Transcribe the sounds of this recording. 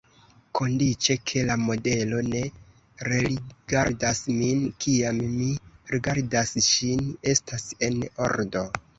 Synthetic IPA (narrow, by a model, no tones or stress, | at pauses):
kʰo̞ndit͡ʃe̞kʰe̞lamo̞de̞lo̞ne̞ | ɾeɾiɡ̥aɾdasminkʰiamːiɾiɡaɾdasʃine̞stase̞no̞̰ɾdo̞